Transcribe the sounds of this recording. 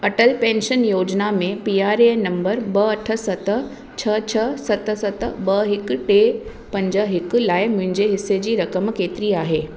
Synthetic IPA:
ɐʈəlpẽːnʃənjoːd͡ʑnamẽpiːaːɾenɐ̃mbəɾbɐɐʈʰə̆sɐt̪ | t͡ɕʰɐt͡ɕʰɐsɐt̪sɐt̪bɐɦɪkʈe | pɐ̃ɲd͡ʑəɦɪklaːɪmʊ̃ɦɪ̃ɲd͡ʑeɦɪsːed͡ʑiːɾɐkəmkeːt̪ɪɾiaːɦeː

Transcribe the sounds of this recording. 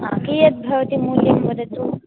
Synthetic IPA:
a̰kijɐt̪̚bʱɐʋt̪iːmuljimpəd̪ʱət̪uː

